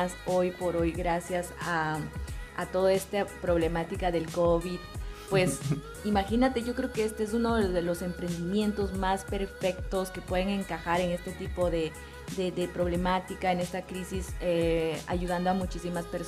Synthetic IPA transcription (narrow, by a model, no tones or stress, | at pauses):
so̞jpo̞ɾo̞jɡɾasjasa | a̰t̪o̞ðoe̞st̪apɾo̞βle̞mat̪ikaðe̞lko̞βiðpwe̞s | imaxinat̪e̞ʝo̞kɾe̞oke̞est̪ees̬unoðeðelo̞se̞mpɾe̞nd̪imje̞nt̪o̞zmaspe̞ɾfe̞k̚t̪o̞ske̞pwe̞ðe̞ŋe̞ŋkaxaɾe̞ŋe̞st̪e̞t̪ipo̞ðe̞ | d̪ed̪epɾo̞βle̞mat̪ikaene̞st̪akɾisisea̰ʝuð̞and̪oamut͡ʃisimaspeɾ